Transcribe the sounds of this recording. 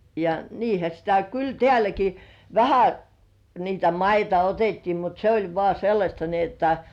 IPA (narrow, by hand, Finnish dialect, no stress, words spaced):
jɑ niːhæ sitæ kyl tĕæˑlæki ʋæhæ niːtæ mɑitɑ otetːiː mut se olʲ ʋŏɑˑ selːɑsʲtɑ ni otːɑ